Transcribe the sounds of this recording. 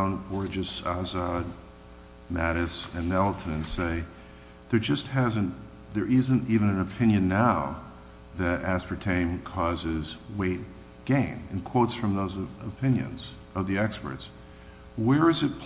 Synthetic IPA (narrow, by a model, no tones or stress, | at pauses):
ʊ̃nɡɔɹd͡ʒɨsɑzɑd̚ | mæɾɨsɨ̃nːɛlˠtʰɨnɨ̃nseɪ | ðə˞d͡ʒʌst̚hæzɨ̃n | ðə˞ʔɪzɨ̃ntivɨ̃nɨ̃nɨpʰɪ̃njɨ̃nːaʊ | ðɨɾæspə˞tʰẽɪ̃mkʰɔzɪzweɪt̚ | ɡ̥ẽɪ̃nɨ̃nkʰw̥oʊtsfɹʌ̃mðoʊzɨpʰɪ̃njɨ̰̃nz̥ | ʌvðiɛkspə̰˞ts | wə˞ɨzɨt̚pʰ